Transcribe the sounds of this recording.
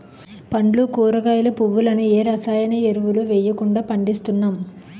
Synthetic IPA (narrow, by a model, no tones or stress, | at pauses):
pɐɳɖlukuːɾɐɡaːjlɐpuʋːulɐnueːɾɐsaːjɐneeɾuʋuluʋɛːjːɐkuɳɖaːpɐɳɖist̪unːaːm